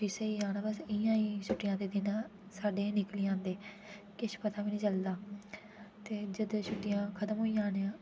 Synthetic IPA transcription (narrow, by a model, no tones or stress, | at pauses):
biseːiːaːñaːbəsɪjãːiːʃʊʈːɪjãːd̪eːd̪ɪnãːsaːɖeːnɪkliːãːnd̪eː | kɪʃpət̪aːʋiːnĩːt͡ʃəld̪aː | t̪eːd͡ʒəd̪ʃʊʈːɪjãːkʰət̪əmɦoːiːãːneːãː